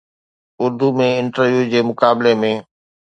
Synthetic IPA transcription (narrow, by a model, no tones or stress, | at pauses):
ʊɾd̪umẽɪ̃ɳʈəɾʋjud͡ʑeːmʊkaːbɪlemẽː